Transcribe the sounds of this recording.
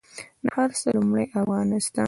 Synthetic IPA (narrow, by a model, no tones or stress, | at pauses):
nahaɾsəlumɽajʔafɣɑnɪst̪ɑ